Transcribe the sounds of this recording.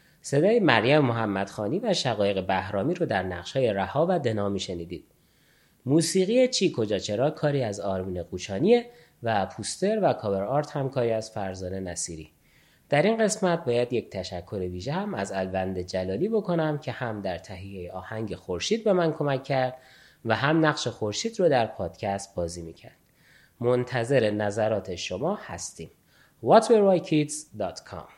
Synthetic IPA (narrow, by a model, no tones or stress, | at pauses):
se̞d̪ɒːjimæɾjæmemo̞ɦæmːæd̪̥xɒːniːvæʃæɣɒːje̞ɣe̞bæhɾɒːmiːɾod̪æɾnæʁʃhɒːje̞ɾæhɒːvæd̪e̞nɒːmiːʃe̞niːd̪iːd̪̥ | muːsiːɣijet͡ʃʰiːkʰo̞d͡ʒɒːt͡ʃʰe̞ɾɒːkʰɒːɾiːæzɒːɾmiːneɡuːt͡ʃʰɒːniːe̞ | væpʰust̪e̞ɾvækʰɒbe̞ɾɒːɾt̪hæmkʰɒːɾiːæz̥fæɾzɒːne̞næsiːɾḭː | d̪̥æɾinɢe̞smæt̪̚bɒːjæd̪je̞c̚t̪ʰæʃækʰːo̞ɾeviːʒehæmæzælvænd̪e̞d͡ʒælɒːliːbo̞kʰo̞næmcʰe̞hæmd̪æɾt̪ʰæɦijejeʔɒːhæŋɟe̞xo̞ɾʃiːd̪̚be̞mænkʰo̞mæcʰːæɾd̪̥ | væɦæmnæɣʃe̞xo̞ɾʃiːd̪ɾod̪æɾpʰɒːd̪̥cʰæst̪̚bɒːziːmicʰæ̰ɾd̪̥ | mont̪ʰæze̞ɾe̞næzæɾɒːt̪ʰe̞ʃo̞mɒːhæ̰st̪iːm | vɒt̪ʰbeɾvɒjcʰit̪z̥d̪ɒːt̪ʰkʰɒ̰m